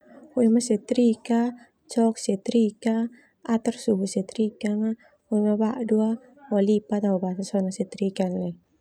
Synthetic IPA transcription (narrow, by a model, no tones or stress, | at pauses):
oimasɛt̪ɾika | t͡ʃɔk̚sɛt̪ɾika | at̪ərsuɦusɛt̪ɾikaŋa | oimabaʔdua | ɔlipat̪aubasasɔnasɛt̪ɾikanla